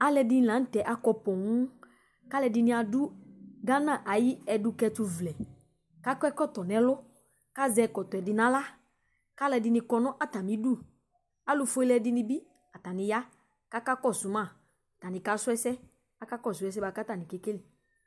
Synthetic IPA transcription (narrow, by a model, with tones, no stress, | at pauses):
a˦lɛ˧dɪ˧˦n˨lã˨˦n̩˦tɛ˨ʔa˦kɔ˧pɔ˨ŋu˦ | ka˦lɛ˧dɪ˧nɪ̃˧˦a˨du˦ɡa˦nã˦˨ʔa˨ji˦ɛ˧dʊ˧kɛ˧tʊ˧vlɛ˨ | ka˦kɔ˦ɛ˦kɔ˦˨tɔ˨nɛ˨lʊ˦ | ka˦zɛ˧kɔ˨tɔ˨ɛ˨dɪ˧nã˦la˦ | ka˦lɛ˧dɪ˧nɪ˧kɔ˧nɔ̃˦ʔa˦ta˨mi˨˦du˦˨ | a˦lʊ˧fo˦i˦lɛ˧dɪ˧nɪ˧bi˦ | a˨ta˨nɪ˧ja˦ | ka˦ka˦kɔ˦˨sʊ˨˦mã˦˨ | ta˨nɪ̃˨ka˨˦sʊ˦ɛ˦sɛ˦ | a˦ka˦kɔ˦˨sʊ˨˦ɛ˦s̬ɛ˦ba˨˧ka˦ta˨nĩ˨ke˦ke˦lɪ˨